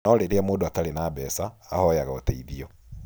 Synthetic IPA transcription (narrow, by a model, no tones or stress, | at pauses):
ɔɾeɾeamoːndoatalenaːbɛsa̰ːhɔjaɣao̰tɛiðiɔ